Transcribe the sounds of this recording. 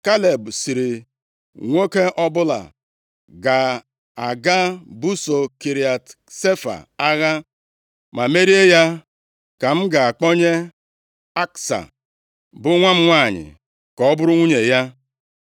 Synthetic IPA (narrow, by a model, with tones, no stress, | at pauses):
ka˦le˨bsi˨ɾi˨ | ŋʷo˦ke˦ʔɔ˦bʊ˦la̰˨ | ɡa˨ | a˨ɡa˦bu˦so˨ki˨ɾi˨a˨t | se˦fa̰˨a˦ɣa˦ | ma˨me˦ɾi˦e˦ja˦ | ka˨m̩˦ɡa˨a˨k͡pɔ˦ɲe˦ | a˦ksa̰˨ | bʊ˦ŋʷa˦m̩˦ŋʷa˦˨ɲɪ̰˨ | kɔ˨ɔ˦bʊ˦ɾʊ˦ŋʷu˦ɲe˨ja˦